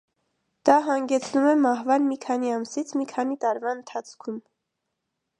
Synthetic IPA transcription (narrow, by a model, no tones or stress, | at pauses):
d̪̥ɑɦɑŋɡɛt͡sʰnumɛmɑhvɑnmikʰɑniɑmsit͡sʰmikʰɑnit̪ɑɾvɑənt̪ʰɑt͡sʰkʰum